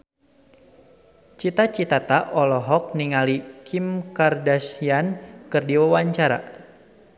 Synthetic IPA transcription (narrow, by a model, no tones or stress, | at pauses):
t͡ʃit̪at͡ʃit̪at̪aʔɔlɔɦɔk̚niŋalikʰimkardasiankɨrdiwawaɲt͡ʃaɾa̰